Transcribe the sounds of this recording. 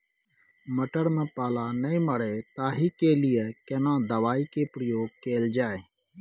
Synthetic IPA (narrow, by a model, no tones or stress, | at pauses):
məʈəɾmẽːpaːlaːnəĩːməɽeːt̪aːɦiːkeːlɪjeːkeːnãːd̪əʋaːiːkeːpɾəjoːɡ̚keːld͡ʒaːeː